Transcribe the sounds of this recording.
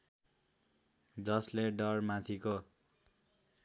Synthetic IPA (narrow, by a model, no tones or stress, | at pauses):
d͡zʌsleɖʌrmat̪ʰiko